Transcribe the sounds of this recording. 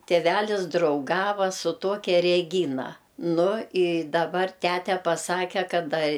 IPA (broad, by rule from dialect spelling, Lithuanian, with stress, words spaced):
tʲeːˈʋʲælʲɪs drɐʊˈɡɑːʋɐ sʊ ˈtoːkʲɛ rʲɛˈɡʲiːnɐ ˈnʊ ɪ dɐˈbɐr ˈtʲætʲɛ pɐˈsɑːkʲɛ ˈkɐt ɐ